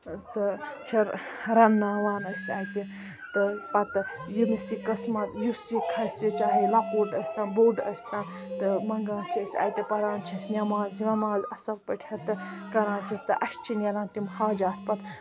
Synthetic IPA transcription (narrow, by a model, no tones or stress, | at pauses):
t̪ɨt͡ʃʰɐɾɾɐnːãːʋaːnɐsʲaːjt̪i | t̪ɨpɐt̪ | jinisikɐsmɐt̪jusikʰɐsʲit͡ʃaːɦilapoːɖɐsʲt̪ãːnboːɖɐsʲt̪ãːn | t̪ɨmɐŋɡaːnt͡ʃʰɐsʲa̰ːjt̪ʲipɐɾãːnt͡ʃʰɐsnʲɐmaːzʋʲɐmaːzɐsɐpɐʈʰɐt̪ɨkɐɾãːnt͡ʃʰɐst̪ɨʔɐst͡ʃʰinʲɐlãːnt̪imhaːd͡ʒaːt̪ʰpɐt̪